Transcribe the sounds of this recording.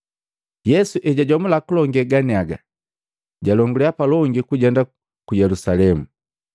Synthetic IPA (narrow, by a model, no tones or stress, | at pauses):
jɛsuʔɛɟaɟɔmulakulɔŋɡɛɡaniaɡa | ɟalɔŋɡuliapalɔŋɡikuɟɛnda | kujɛlusalɛmu